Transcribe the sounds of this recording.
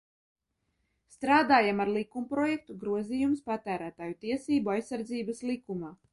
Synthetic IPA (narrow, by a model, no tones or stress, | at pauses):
st̪ɾaːd̪aːjamaɾlˠikumpɾoɔjɛk̚t̪uɡɾuɔzijumspat̪æːɾæːt̪aːjut̪iɛsiːbuajsːaɾd̪ziːbaslˠikumaː